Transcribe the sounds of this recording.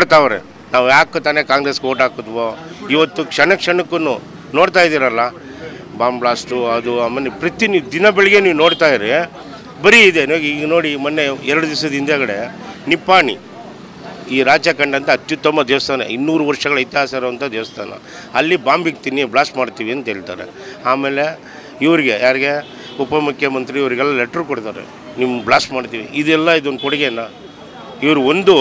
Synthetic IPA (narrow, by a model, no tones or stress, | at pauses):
oɽt̪aːʋɐɾḛ | naːʋujaːkːut̪aːnekaːŋɡɾe̞ːskoːʈaːkut̪ʋoiʋɐt̪ːukʂɐɳɐkʂɐɳɐkːunu | noːɽt̪aːjid̪iːɾɐlːa | baːmbɭaːsʈuɐd̪uaːmːenepɾɐt̪iniːd̪inɐbɛɭɛɡeniːʋuno̞ːɽt̪aːjiɾe | bɐɾiːd̪e̞niɡiːɡɐno̞ːɽimɐnːeɛɾɐɽud̪is̬ɐd̪ind̪ɐɡɐɽe | nipaːɳḭ | iːɾaːt͡ʃɐkɐɳɖɐnt̪ɐːt̪jut̪ːɐmːɐd̪ɛːʋɐst̪ʰaːnɐ̰inːuːɾuʋɐɾʂɐɡɐɭɐjt̪jɦaːsaːɾɐʋɐnt̪ʰɐd̪ɛːʋɐst̪ʰa̰ːnɐ̰ | ɐlːibaːmbik̚t̪inibɭaːsʈmaːɖt̪iːʋiɐnt̪eːɭit̪a̰ːɾḛ | aːme̞ːle̞ | iʋɐɾiɡe̞jaːɾiɡe̞ | upɐmukʰjɐmɐnt̪ɾiːʋɐɾiɡɛlːɐlɛʈːɐɾkoɽt̪aːɾḛ | nimːɐbɭaːsʈmaːɖt̪iːʋiʔid̪ɛlːɐid̪uond̪ukɔɽiɡenːa | iʋɐɾuond̪u